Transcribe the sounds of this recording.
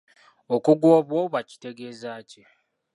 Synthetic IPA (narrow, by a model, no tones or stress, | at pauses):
okuɡwoːβwoβwaci̥te̞ɡe̞ːzaːce